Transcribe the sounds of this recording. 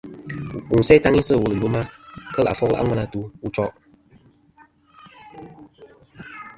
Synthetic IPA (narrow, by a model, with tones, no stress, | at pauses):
u˨n̩˨sɛ˦ta˦ŋi˦sə˦˨wə˨lɨ˨lo˦ma˦kə˦la̰˨fɔ˦kla̰˦ŋʷa˦na˨tu˦u˦t͡ʃɔ˦ʔ